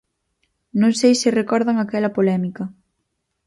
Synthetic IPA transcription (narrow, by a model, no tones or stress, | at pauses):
nõŋsejsɪrekɔɾðaŋakɛlɐpolɛmikɐ